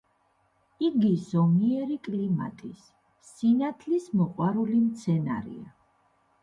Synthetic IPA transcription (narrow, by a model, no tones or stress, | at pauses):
iɡizɔmiɛɾikʼlima̰t̪ʼisː | inat̪ʰlismɔqʼwaɾulimt̪sʰɛna̰ɾḭa